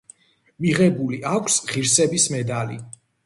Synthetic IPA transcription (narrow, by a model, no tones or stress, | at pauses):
miʁɛbuliʔakʷʰsʁiɾsɛbismɛd̪alḭ